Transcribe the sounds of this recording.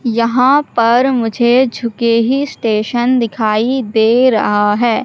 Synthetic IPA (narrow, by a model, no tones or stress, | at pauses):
jɐɦãpɐɾmʊd͡ʒʱed͡ʒʱʊkeɦisʈeːʃənd̪ɪkʰaːid̪eːɾɐ̰ɦaɦɛː